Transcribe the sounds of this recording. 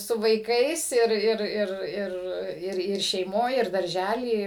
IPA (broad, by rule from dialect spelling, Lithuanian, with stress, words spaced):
sʊ ʋɐɪˈkɐɪs ˈɪr ˈɪr ˈɪr ˈɪr ˈɪr ˈɪr ʃʲɛɪˈmoːj ɪr dɐrʲˈʒʲælʲiː ˈɪ